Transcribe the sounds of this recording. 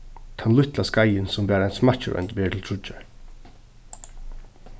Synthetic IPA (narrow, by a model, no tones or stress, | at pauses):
t̪ʰanlʏht̪laskajənsɔmbæːɾaɪnsmḁcəɾœ̰nt̪beːtʰɪl̩t̪ʰɾʊt͡ʃa